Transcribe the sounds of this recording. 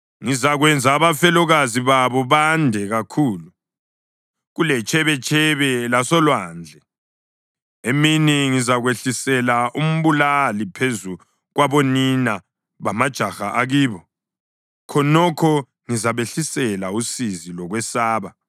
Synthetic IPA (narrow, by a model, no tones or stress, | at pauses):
ŋizaɣwɛnd͡zʱaːβafɛlɔɣaziβaβɔβandʱɛɣakʰuːlu | ɣulɛt͡ʃʰʼɛβɛt͡ʃʼʰɛβɛlasɔlwaːnd͡ɮʱɛ | eminiŋizaɣweɬisɛlaum̩βulalipʰezu | ɣwaβɔnina | βamad̥ʒ̥ʱaxaʔaɣiːβɔ | kʰɔnɔkʰɔ | ŋizaβeɬisɛlausizilɔɣwɛsaːβa